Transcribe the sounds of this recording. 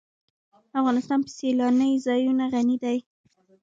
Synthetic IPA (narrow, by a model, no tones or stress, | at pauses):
afɣɑnɪst̪ɑnpə̥selɑnəjzɑjunaɣanid̪aj